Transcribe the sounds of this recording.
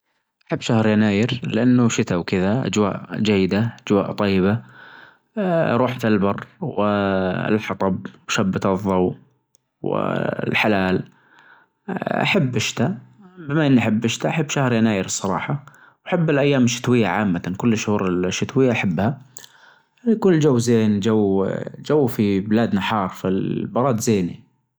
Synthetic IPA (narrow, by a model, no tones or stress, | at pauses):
ʔaħabːʃahɾjanaːjɪɾlɪʔanːʊʃɪt̪awkɪðaʔa̰d͡ʒwa̰ːʔd͡ʒajːɪd̪aʔad͡ʒwaːʔt̪ˤɑjːɪba | ɾˤuːħfɪlbɑrˤːwɪɪ̰lħɑt̪ˤɑb̚wʃabːɪt̪ɨðˤːɑw | wɪ̰lħalaːl | ʔa̰ħabːɪʃt̪abɪmaʔɪnːiʔaħabːʔɪʃt̪aʔaħɪbːʃahɾˤjanaːjɪɾɨsˤːɑɾˤɑ̰ːħɑ | wʔaħabːɪlʔajːaːmɪʃːɪ̥t̪wɪjːa̰ʕaːmːankʊlːɪʃhuːɾɪlʃːɪt̪wɪjːaʔaħabːha | kʊlːd͡ʒawːzeːnd͡ʒawd͡ʒawːfibɪlaːd̪naħɑːɾˤfilbɑɾˤɑːd̪zeːnḭ